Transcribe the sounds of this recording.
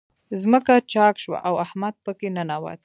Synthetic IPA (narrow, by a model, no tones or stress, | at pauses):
zməkat͡ʃɑkʃwa̰ʔawahmad̪̚pəkenənawɑ̰d̪